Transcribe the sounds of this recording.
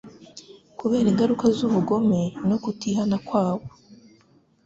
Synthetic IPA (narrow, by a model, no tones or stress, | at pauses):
kuβe̞ːɾiŋɡaɾukazuβuɡo̞me̞no̞kutiɦanakwaːβo